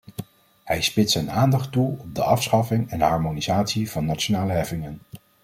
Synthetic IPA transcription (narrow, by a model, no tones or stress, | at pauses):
hɛjspɪtsɛjnaːndɑχtuɔb̚dəʔɑfsχɑfɪŋɛndəɦɑɹmonizaːtsiv̥ɑnːat͡ʃonaːləɦɛfɪŋən